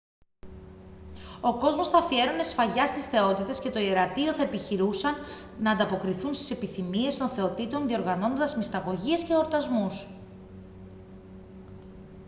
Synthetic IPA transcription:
o̞ko̞zmo̞sθɐfie̞ɾonesfɐʝɐst̪isθe̞o̞t̪it̪e̞sce̞t̪o̞ieɾɐt̪io̞θɐe̞piçiɾusɐnː | ɐːnd̪ɐpo̞kɾiθunst̪i̥se̞piθimie̞st̪o̞nθe̞o̞t̪it̪o̞nðio̞ɾɣɐno̞nond̪ɐzmist̪ɐɣo̞ʝiɐsce̞o̞ɾt̪ɐzmus

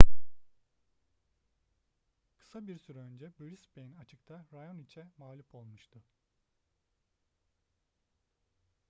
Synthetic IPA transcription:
kʰɯ̥sabiɾsyɾɛønd͡ʒɛbøɾisbejinat͡ʃʰɯk̚t̪ʰaɾajo̞nit͡ʃʰɛmaːlʲupʰo̞lˠmuʃt̪ʰʊ

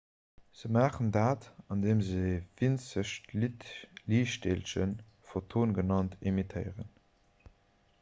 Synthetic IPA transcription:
z̥əmaːχəndaːtɑndeːmzəvint͡səʃtitliːʃteːlʃən | fotʰoːnɡənɑntʰimitʰəɪʁən

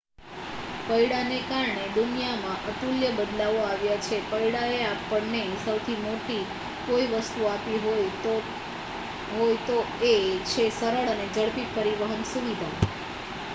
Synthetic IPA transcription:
pəjɽanekaɾɳed̪unijamãʔəʈuljəbəd̪laʋoaʋjat͡ʃʰepəiɽaeapːəɳnesəwt̪ʰimoʈi | koiʋəst̪uapiɦoj | ɦojt̪o | et͡ʃʰesəɾəɭəned͡ʒəɭpit̪̚pəɾiʋəɦənsuʋid̪ʱa

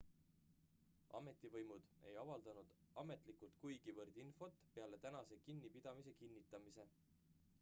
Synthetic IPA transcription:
ʔɑ̰me̞t̪ːˑivɤjmud̪̥e̞̰jɑvɑld̪̥ɑnud̪̥ | ɑme̞t̪ˑlikult̪kujɡ̥ivɤrd̪̥info̞t̪pe̞ɑle̞t̪ænɑse̞kinːipid̪̥ɑmise̞kinːit̪ːˑɑmise̞

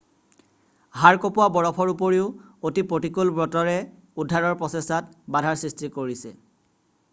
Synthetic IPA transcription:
ɦaɹkopʊwabɔɹɔpʰɔɹupoɹiʊotipɹotikulbɹɔtɔɹɛ | udʱaɹɔɹpɹɔsesat̚badʱaɹsɹistikoɹisɛ

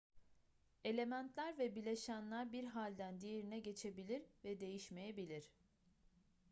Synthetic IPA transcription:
e̞lʲe̞mænt̪ʰlʲæɾvɛbilʲe̞ʃænlʲæɾbiɾɦalʲd̪ænd̪ijeɾinɛɟe̞t͡ʃʰe̞bilʲiɾvɛd̪e̞jiʃme̞jebilʲiɾ̥

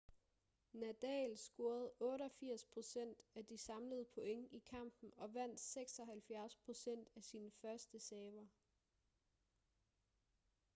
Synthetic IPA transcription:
næd̥ɛ̰ːlsɡ̥o̝ːɐð̞̩ˠɔ̽ːɾɒ̽fiɐ̰spʰʁo̝sen̰d̥æd̥isɑ̈mləð̩ˠpʰoeŋikʰɑ̈m̰b̥n̩ɒ̽ʋæn̰d̥seɡ̥sɒ̽ɦælfjæɐspʰʁo̝sen̰d̥æsiːnəfɶɐsd̥əsɛːʋɐ

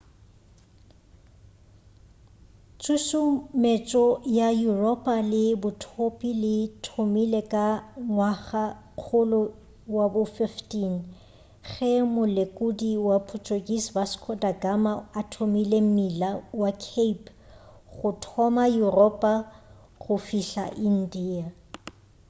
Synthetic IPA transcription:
t͡sʰʼusʊmet͡ʃʼɔjajurɔpʼalɪbʊtʰopʼilɪtʰomilekʼaŋwaχa | q͡χʰʊlʊ | wabʊfɪftʼin̩ | χɛmʊlekʼudiwapʰutʰʼoɡʼisbaskʰɔdaɡamaatʰomilem̩milawakʰepʰ | χʊtʰɔmajurɔpʼa | χʊfiɬa̰ʔin̩diːa

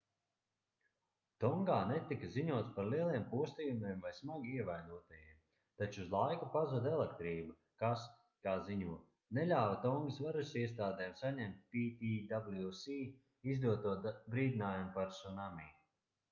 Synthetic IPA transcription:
t̪ɔŋɡaːnɛt̪ikaziɲuɔt̪spaɾliɛlˠiɛmpuɔst̪ijumiːmvajsmaɡʲiiɛvajd̪uɔt̪ajiɛm | t̪at͡ʃuːzlˠajkupazud̪ɛlˠekt̪ɾiːba | kas | kaːziɲuɔ | nɛʎʲaːvat̪ɔŋɡasvaɾusiɛst̪aːd̪ɛːmsaɲɛmt̪̚ʲpit̪iːd̪ablˠjusiː | izd̪uɔt̪uɔt̪bɾiːd̪ʲinaːjumpaɾsunamiː

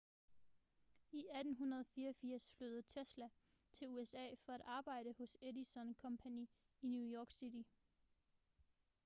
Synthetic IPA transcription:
iæd̥n̩ɦunɐð̞ˠɒfiːɐɒfiɐ̰sfløð̩ˠt͡sʰeslæ | t͡sʰe̝luesɛ̰ːfɒ̽æɾ̥ɑ̈ːb̥ɑ̈ɪ̰ɾ̥əhɔ̽sedisɒ̽nkʰɒ̽mpʰæniː | njujɒːɡ̥sid̥i

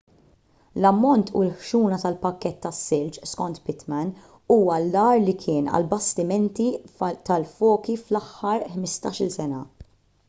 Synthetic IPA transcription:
lɐmːɔnt̪ʰṵlħʃuːnɐt̪ɐlpɐkːɛt̪ːɐsːɪlt͡ʃskɔnt̪pɪt̪mɛn | uːwɐlːɐːɾlikʰɪːnɐ̰lbɐst̪ɪmɛnt̪it̪ɐlfɔːkiflɐħːɐɾħmɪst̪ɐːʃɪlsɛnɐ̰

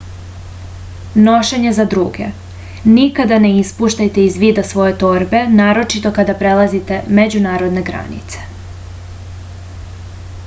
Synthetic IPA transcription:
no̞ʃeɲezad̪ɾuːɡe̞̰ | nikad̪ane̞ispuʃt̪ajt̪e̞izʋiːd̪asʋo̞je̞t̪o̞ɾbe̞naːɾo̞t͡ʃit̪o̞kad̪apɾelˠazit̪e̞me̞d͡ʑunaːɾo̞d̪ne̞ɡɾa̰nḭt̪se̥

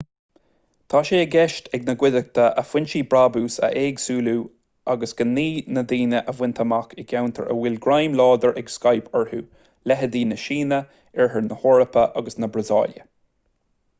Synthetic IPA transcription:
t̪ʰaːʃeːəɡɛʃtʰɛɡnəɡwɪd̪ək̚t̪ʰəʔəfwɪnʃiːbɾaːbuːsə̰ʔeːɡsuːluː | aɡəsɡ̥ənːiːnəd̪iːnəʔəvwɪnt̪ʰəmakʰɪɡawnt̪ʰə̰ɹʔə̰wɪlɡɾajmlɔːd̪əɹɛɡskajpʰəɹhṵː | lɛɦəd̪iːnəʃiːnə | ɛɹɦəɹnəhɔɹəpəʔaɡəsnəbɹəzɑ̰ːljə̰

